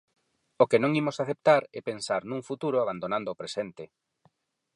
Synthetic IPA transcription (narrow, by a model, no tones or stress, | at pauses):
okenõŋimosaθep̚t̪aɾɛpensaɾnũŋfut̪uɾoaβand̪onãnd̪oːpɾesent̪e